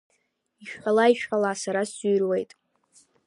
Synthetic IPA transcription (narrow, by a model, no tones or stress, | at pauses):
iʃᶣħalaiʃᶣħalasaɾaszyjrwejtʼ